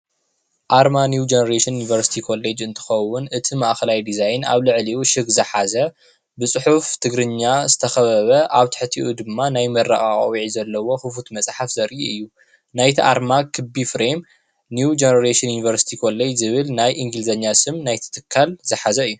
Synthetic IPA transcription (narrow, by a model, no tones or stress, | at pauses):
ʔaɾmanjud͡ʒenɐɾeʃɨnjunivɐɾsi̥t̪ʰikʰo̞led͡ʒɨnt̪ʰɨ̥xɐwːʊnʔɨt̪ʰimaʔxɐlajd̪izajna̰βlɨʕliuʃɨɡzɐħazɐ | bɨt͡sʼɨħuft̪ʰɨɡɾɨɲːazɨt̪ʰɐxɐβɐβɐʔaβt̪ʰɨ̥ħɨt̪ʰiʔud̪ɨmːanajmɐrːaχʼa̰χʼwiʕizɐlːɐwo̞xɨfut̪mɐt͡sʼħafzɐɾʔiʔɨjːu | najt̪ʰiʔaɾmakʰɨbifɾem | nuwd͡ʒenɐɾeʃɨnjunivɐɾsi̥t̪ʰikʰo̞led͡ʒzɨβɨlnajʔiŋɡɨlzɐɲːasɨmnajt̪ʰɨ̥t̪ʰɨkʰːalzɐħazɐɨjːu